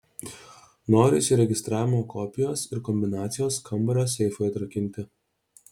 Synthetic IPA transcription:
noːɾʲɪsʲɪɾʲɛɡʲɪst̪ɾɑːʋʲɪmoːkɔpʲɪjoːsɪɾkɔmʲbʲɪnɑːt̪sʲɪjoːskʰɐmbɐɾʲoːsʲɛɪfoːjɐt̪ɾɐkʲɪnʲt̪ʲɪ

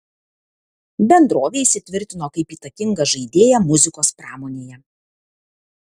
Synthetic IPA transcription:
bʲɛnd̪ɾoːʋʲeːɪʃʲsʲɪt̪ʲʋʲɪɾʲt̪ʲɪnoːkɐɪpiːt̪ɐkʲɪŋɡɐʒɐɪd̪ʲeːjɛmʊzʲɪkoːspɾɑːmoːnʲeːjɛ

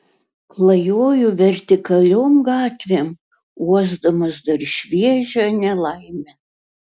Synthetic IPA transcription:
klˠɐjoːjuʋʲɛɾʲt̪ʲɪkɐlʲoːmɡɑːt̪ʲʋʲem | uɔzd̪ɐmɐsd̪ɐɾʃʲʋʲiɛʒʲɛnʲɛlˠɐɪmʲɛ

